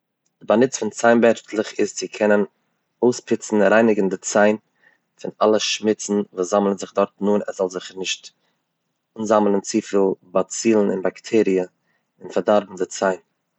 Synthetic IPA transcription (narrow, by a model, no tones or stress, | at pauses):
d̥ɪbanɪt͡sfɪnt͡saɪnbɛɾftlˠɪχɪst͡sɪkʰɛnən | oʊspʰɪt͡sn̩ɾaɪnɪɡn̩dɪt͡saɪn | fɪnalˠəʃmɪt͡sn̩vuːszamlˠənzɪχdɔɾtnuːnɛzɔlˠzɪχəɾnɪʃt | uːnzamlˠənt͡siːfiːlˠbat͡siːlˠn̩ɪ̰nbaktʰɛːɾiə | ɪnfaɾdaɾbm̩dɪt͡saɪn